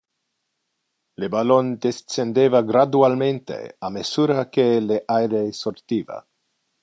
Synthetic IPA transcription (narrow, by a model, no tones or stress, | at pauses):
lebalond̪essend̪evaɡɾad̪ualment̪ḛamesuːɾakeleʔajɾesort̪iːva̰